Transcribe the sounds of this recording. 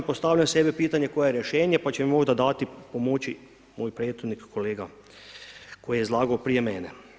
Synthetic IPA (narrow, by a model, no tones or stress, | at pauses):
post̪aːwʎamsebɛpiːt̪anjekojejɛɾjɛʃeːnjepat͡ʃɛmimoʒd̪ad̪aːt̪ipomoːt͡ʃi | moːjpɾeːd̪xud̪nikkːoleːɡa | kʰojijezlaːɡaopɾijemɛːnɛ